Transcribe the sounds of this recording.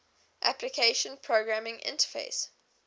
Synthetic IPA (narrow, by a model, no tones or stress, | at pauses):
ʔæplɪkʰeɪʃə̃npʰɹoɡɹamɪ̃ŋʔɪ̰̃ntə̥fḛɪs